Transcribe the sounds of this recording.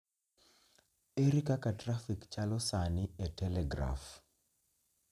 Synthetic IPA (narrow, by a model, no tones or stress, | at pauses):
eɾikakatɾafikt͡ʃalɔsanɪɛtɛlɛɡɾa̰f